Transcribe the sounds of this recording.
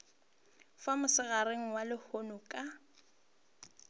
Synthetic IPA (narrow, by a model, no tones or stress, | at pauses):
famʊsɪɣaɾeŋ̩walɪhonʊkʼa